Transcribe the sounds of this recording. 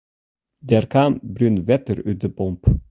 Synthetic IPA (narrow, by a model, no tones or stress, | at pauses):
d̪æːɾkʰambɾʉnvɛt̪əɾʉːt̪əbɔmp